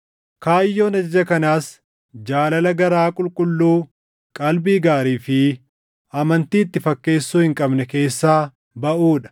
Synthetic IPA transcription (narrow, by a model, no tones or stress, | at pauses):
kaːjːo̞ːnɐd͡ʒɐd͡ʒɐkɐnaːs | d͡ʒaːlɐlɐɡɐɾaːkʼʊlkʼʊlːuː | kʼɐlbiːɡaːɾiːfɪ | ɐmɐnt̪iːɪt̪ːɪfɐkːe̞ːsːuːhɪŋkʼɐbnɛke̞ːsːaː | bɐʔuːᶑɐ̥